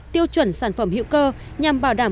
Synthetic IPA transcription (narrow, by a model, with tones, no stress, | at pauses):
t̪i˧əwt͡ɕwə˨˧˩nsaː˧˩nfə˧˩mhḭ˧˥wkəː˧ | ɲa˨˩mɓaː˧˩wɗaː˧˩